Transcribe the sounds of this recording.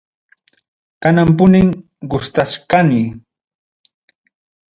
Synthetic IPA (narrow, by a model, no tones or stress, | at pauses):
kanampʊnɪŋ | ɢʊst̪aʃkanɪj